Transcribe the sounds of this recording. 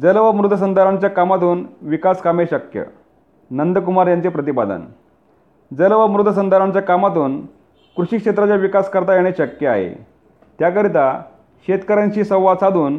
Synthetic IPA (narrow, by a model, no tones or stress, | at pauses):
d͡zəlʋamɾud̪ʱːəs̬ənd̪ʱaɾaɲt͡ɕjakamat̪uːnʋikaskameɕəkjə̰ | nənd̪əkumaɾjant͡sepɾət̪ibad̪ə̰n | d͡zəlʋamɾud̪ʱːəs̬ənd̪ʱaɾaɲt͡ɕjakamat̪̬uːn | kɾuɕikɕet̪ɾat͡ɕjaʋikaskəɾt̪ajeɽ̃eɕəkjəa̰ɦḛ | t̪jakəɾit̪a | ɕet̪kəɾãɲt͡ɕiːsə̃wʋad̪sad̪uːn